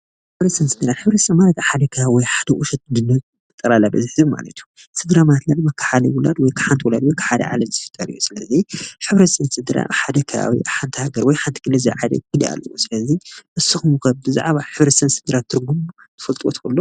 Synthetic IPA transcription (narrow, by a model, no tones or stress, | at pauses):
ħɨβɾɐt̪sɐnsɨd̪ɨɾat̪ħɨβɾɐt̪sɐmanɐt̪aħad̪ɐkʰɐawɔjħad̪ɐʔuʃɐt̪̚d̪ɨnːɐβ | ɨt̪ʼːɐɾalabɐziħzimma̰lɐ̰t̪ʰju | sɨd̪ɾamat̪lalmɐkʰːḁħaliwʊla̰d̪wɔjkʰḁħant̪ʰiwulad̪wɔjkʰɨ̥ħad̪ɐ̰ʕa̰lɐmzɨfɨ̥t̪ʼːɐlijusɨlɐziħɨβɾɐsɨnsɨd̪ɨɾa̰ʔħad̪ɐkʰɐa̰wḭʔaħant̪ʰihaɡɐɾwɔjħant̪ʰi̥kʰɨlɐziʕad̪ɐ̰kɨliʔa̰lːɐwusɨlɐziʔɨsɨxumkʰɐβbɨza̰ʕβaħɨβɾɐt̪sɐnsɨd̪ɨɾat̪ʰːɨɾɡumu | t̪ʰɨ̥fɐlt̪ʼwot̪kɨlːo